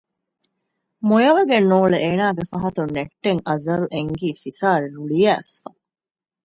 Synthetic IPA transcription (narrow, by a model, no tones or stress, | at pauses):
mojɐʋɐɡenoːɭeʔeːnaːɡefɐɦɐt̪unːeʈːeŋʔɐzɐleŋɡiːfisaːɾeluɭijæːsfɐ